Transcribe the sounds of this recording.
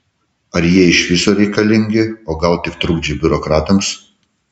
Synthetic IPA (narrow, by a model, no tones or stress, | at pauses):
ɐɾjiɛɪʃʋʲɪsoːɾʲɛɪkɐlʲɪŋʲɡʲɪoːɡɐlˠt̪ʲɪkt̪ɾʊɡd͡ʒʲɪbʲʊɾokɾɑːt̪ɐms